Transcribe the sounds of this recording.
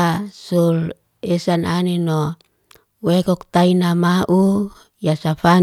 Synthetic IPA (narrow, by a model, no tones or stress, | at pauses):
sul | esananenɔ | wekɔk̚t̪ainamaʔu | jasafa